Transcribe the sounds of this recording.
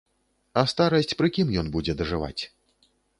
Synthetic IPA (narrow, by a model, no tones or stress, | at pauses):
ɐst̪aɾɐsʲt͡sʲpɾɨkʲimjɔnbud͡zʲɛd̪ɐʐɨva̰t͡sʲ